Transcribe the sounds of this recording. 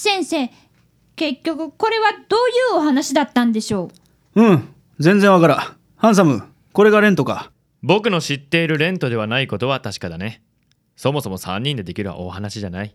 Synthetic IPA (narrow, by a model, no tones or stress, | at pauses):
sẽ̞ɰ̃se̞ː | ke̞kʲːo̞kɯ̟ko̞ɾe̞βad̪̥o̞ːjɯ̟ːoɦanaɕid̪at̪ːãnd̪e̞ɕo̞ː | ɯ̟̃ɴ | zẽ̞nd͡zẽɰ̃βakaɾa | hãɰ̃s̬amɯ̟ | ko̞ɾe̞ɡaɾẽ̞nt̪o̞ka̰ | bo̞kɯ̟no̞ɕit̪ːe̞iɾɯ̟ɾẽ̞nt̪o̞d̪e̞βanaiko̞t̪o̞βat̪aɕi̥kad̪ane̞ | so̞mo̞so̞mo̞sã̰ɲ̟ːĩnd̪e̞d̪e̞kʲiɾɯ̟βa̰ʔo̞̰hanaɕiʑanai